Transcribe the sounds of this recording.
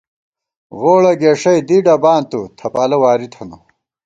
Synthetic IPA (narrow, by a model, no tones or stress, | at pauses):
ɣoːɭɐɡeʂɐjd̪iɖɐbaːnt̪ut̪ʰɐpaːlɐwaːɾit̪ʰɐnu